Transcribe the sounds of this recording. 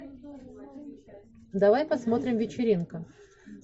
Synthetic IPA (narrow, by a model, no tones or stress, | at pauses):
d̪ɐvajpɐsmo̞t̪ɾʲɪmvʲɪt͡ɕɪɾʲinkə